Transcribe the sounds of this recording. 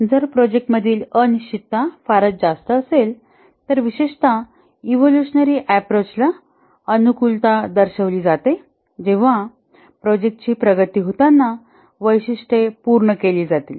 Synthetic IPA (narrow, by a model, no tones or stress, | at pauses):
d͡zəɾpɾɔd͡ʑek̚ʈməd̪ʱiːlənit͡ɕit̪ːafaɾət̪̚d͡zast̪əːsel | t̪əɾʋiɕeʂt̪a | iʋoluɕənəɾiːʔæpɾot͡ɕla | ənukult̪ad̪əɾɕəʋliːd͡zat̪e | d͡ʑẽʋ̤a | pɾɔd͡ʑek̚ʈt͡ɕiːpɾəɡət̪iːɦot̪anːa | ʋəjɕiʂʈepuɾɳəkeliːd͡zat̪iːl